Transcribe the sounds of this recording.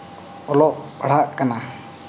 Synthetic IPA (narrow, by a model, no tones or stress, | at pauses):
ɔlɔʔpaɽ̤aʔkana